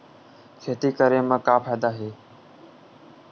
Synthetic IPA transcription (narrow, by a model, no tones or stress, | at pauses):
kʰeːt̪iːkəɾeːmə̃ːkaːpʰaːd̪aːɦeː